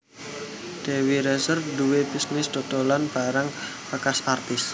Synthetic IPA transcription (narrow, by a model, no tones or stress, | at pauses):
d̪̥ewiɾɛsərd̪uwepisnɪsd̪̥o̤t̪olanb̥aɾaŋ | pəkasart̪ɪs